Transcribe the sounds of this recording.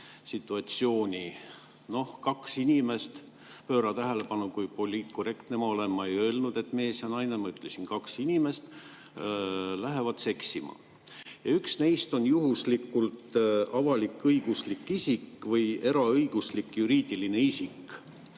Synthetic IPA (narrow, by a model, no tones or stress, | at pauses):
sit̪ːˑuɑt̪sio̞ːnʲi | no̞hkɑksinʲime̞st̪ | pø̞ːɾɑt̪æɦele̞pɑnukujpo̞lʲiːt̪kore̞kt̪nemɑo̞le̞mːɑejø̞ːlnud̪̥e̞t̪ːˑmeːesiɑnɑjnemɑyt̪ːˑlesinkɑksinʲime̞st̪ | læɦevɑd̪̥se̞ksʲimɑ̰ | jɑyksnejst̪o̞njuɦuslikːˑult̪ɑvɑlikːɤjɡ̥uslikːisikːˑvɤje̞ɾɑɤjɡ̥uslikːjuɾiːd̪̥iline̞isik